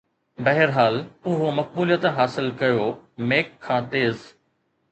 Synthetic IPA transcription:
bɐɦɪɾɦaːlʊɦomɐk̚buːlijət̪ɦaːsɪlkɐjomeːkʰːãːt̪eːz

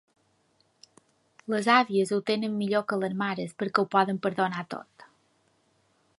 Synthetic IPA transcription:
ləzaβiəzut̪enəmːiʎokələzmaɾəspəɾkəwpɔðəmpəɾðonat̪o̰t̪

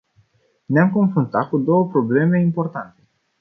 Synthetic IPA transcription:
neamko̞nfɾunt̪at̪̚kud̪o̞wəpɾo̞ble̞me̞impo̞rt̪ant̪e̞̥

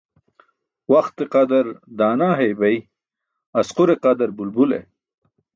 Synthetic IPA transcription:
wɐxt̪eqad̪ɐɾd̪aːnaːɦejbɐj | ɐsquɾeqɐd̪ɐɾbulbulḛ

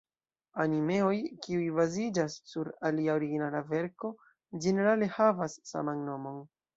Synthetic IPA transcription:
anime̞o̞jkiujbazid͡ʒasːuɾaliaoɾiɡinalave̞ɾko̞ | d͡ʒe̞ne̞ɾale̞havasːa̰manno̞mo̞n

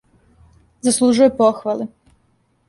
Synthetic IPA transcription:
zaslˠuʒujepoxʋali

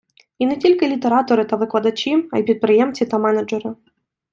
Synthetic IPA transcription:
inɛtʲilʲkɪlʲit̪eɾɑt̪ɔɾɪt̪ɐʋɪklˠɐd̪ɐt͡ʃʲiɐ̰jpʲit̪̚pɾɪjɛmt͡sʲit̪ɐmɛnɐd͡ʒɛɾɪ

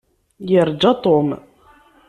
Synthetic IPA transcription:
jəɾˤd͡ʒɑt̪ˤom

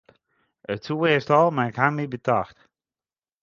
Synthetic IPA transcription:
ətsuestɔlˠmaɪkhanmibətaxt

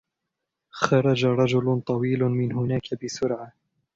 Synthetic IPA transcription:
xɑɾˤɑd͡ʒaɾˤɑd͡ʒʊlt̪ˤɑwiːlʊmɪnhʊnaːkʰabɪsʊɾʕa

